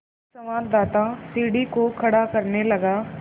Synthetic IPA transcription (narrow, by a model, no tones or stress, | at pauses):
sɐmaːɾd̪aːt̪asiːɽikokʰɐɽakɐɾnelɐɡaː